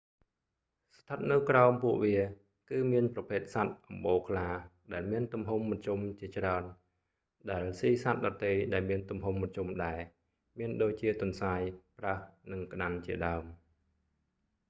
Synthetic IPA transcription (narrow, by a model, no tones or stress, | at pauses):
st̪ʰːət̪̚nɨwkraɔmpuəʔʋiə | kɨːmiənprɑpʰeːt̪̚sat̪̚ʔɑmɓoːkʰlaːɗaɛlmiənt̪umɦumːət̪̚t͡ɕumt͡ɕiət͡ɕraən | ɗaɛlsiːsat̪̚ɗɑt̪ːejɗaɛlmiənt̪umɦumːət̪̚t͡ɕumɗaɛ | miənɗoːc̚t͡ɕiət̪ŭənsaːjprahnɨŋk̆ɗant͡ɕiəɗaəm